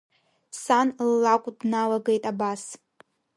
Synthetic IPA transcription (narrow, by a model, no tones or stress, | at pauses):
sanlːakʷʼdnalaɡejtʼabas